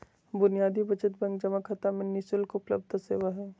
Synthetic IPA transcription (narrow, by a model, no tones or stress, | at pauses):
bʊnijaːd̪ʱibɐt͡ʃət̪bɐ̃ŋɡd͡ʒɐmakʰɐt̪amẽnɪsʊlkoʊpləb̚d̪ʱsḛːʋaɦɛː